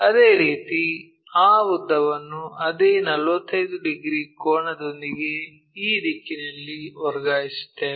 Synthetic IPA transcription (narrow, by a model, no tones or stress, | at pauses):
ɐd̪e̞ːɾiːt̪i | aːud̪ːɐʋɐnːuɐd̪eːnɐlʋɐt̪ːɐjd̪uɖiɡɾiːkoːɳɐd̪o̞nd̪iɡe̞ | iːɾiːkinɐlːiɔɾɡaːjisi̥t̪ːe